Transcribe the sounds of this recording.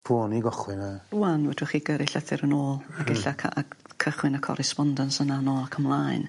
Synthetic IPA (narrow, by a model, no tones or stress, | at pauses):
pʰoːniɡɔχwɪnauwanwɛdʊχiːɡəɾɪɬəθɪɾənoːlˠaɡɛɬakʰaakʰəχwɪnəkʰɔ̰ɾɛspɔndənsənanɔːakʰəmlˠaːɨn